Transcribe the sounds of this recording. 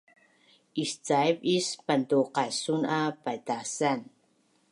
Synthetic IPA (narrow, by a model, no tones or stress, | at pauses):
ʔist͡sajpispantuqasunapajtasan